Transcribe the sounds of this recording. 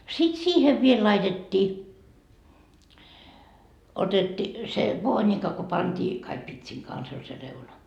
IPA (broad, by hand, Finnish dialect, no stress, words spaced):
sit siːheʋ ʋiel lɑitetʲːiː otetːi se ʋoːnikɑ ko pɑntiː kɑik pitsiŋ kɑns olʲ se reunɑ